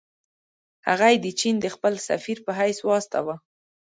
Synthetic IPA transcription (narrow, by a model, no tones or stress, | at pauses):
haɣajd̪ət͡ʃind̪əxpəlsa̰fiɾpəɦajswɑst̪a̰wa